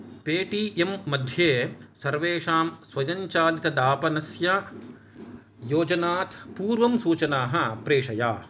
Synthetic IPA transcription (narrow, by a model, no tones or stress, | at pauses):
peːʈiːʔemːɐd̪ʱjeːsɐɾʋeːʂaːmsʋɐjɐɲt͡ʃaːlit̪ɐd̪aːpɐnɐsjɐ | joːd͡ʒɐnaːt̪puːɾʋɐmsuːt͡ʃɐnaːɦɐpɾeːʂɐja̰ː